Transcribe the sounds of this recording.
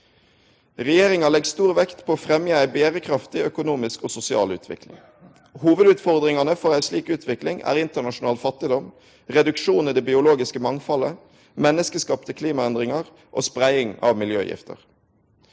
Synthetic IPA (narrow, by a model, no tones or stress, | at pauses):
ʁɛjeːʁɪŋɑlɛɡst̪uːʁʋɛkt̪pʰoːoːfʁɛmjəæɪbeːʁəkʰʁɑft̪ɪœkʊnuːmɪskoːsʊsɪɑ̰ːlʉ̰ːt̪ʰʋɪ̰klɪ̰ŋ | huːʋəd̪ʉːt̪fɔʁd̪ʁɪŋɑnəfɔʁæɪsliːkʉːt̪ʰʋɪklɪŋæ̰ːʁɪnt̪əʁnɑʃʊnɑːlfɑt̪ːɪd̪ɔm | ʁɛd̪ʉkʃuːnid̪ɛbɪʊloːɡɪskəmɑŋfɑlə | mɛnːəskəskɑːpt̪ʰəkʰliːmɑɛnd̪ʁɪŋɑʁ | ʔo̰ːspʁæɪɪŋɑ̰ʋmɪljø̰ːjɪ̰ft̪ə̰ʁ